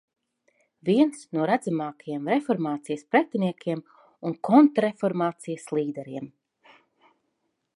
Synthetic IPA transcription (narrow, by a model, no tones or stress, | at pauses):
viɛnsnuɔɾad̪zamaːkajiɛmɾefɔɾmaːt̪sijəspɾɛt̪ʲɛniɛkʲʰiɛm | unkɔnt̪ɾefɔɾmaːt̪sijəslˠiːd̪ɛɾiɛm